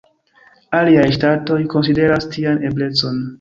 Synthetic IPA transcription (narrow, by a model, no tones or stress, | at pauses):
aliajʃtato̞jko̞ns̬ide̞ɾastiane̞ble̞t͡so̞n